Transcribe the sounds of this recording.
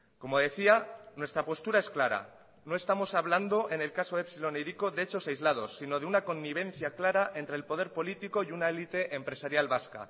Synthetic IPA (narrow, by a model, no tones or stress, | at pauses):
ko̞mo̞ðe̞θianwe̞st̪ɾapo̞st̪uɾaesklaɾa̰ | no̞e̞st̪amo̞saβland̪o̞ʔe̞ne̞lkaso̞epsilo̞nejɾiko̞ðeet͡ʃo̞sajzlað̞o̞sːino̞ð̞eunako̞nːiβ̞ẽ̞n̟θjaklaɾaʔe̞nt̪ɾeːlpo̞ð̞e̞ɾpo̞lit̪iko̞junae̞lit̪e̞ʔempɾe̞saɾjalβaska̰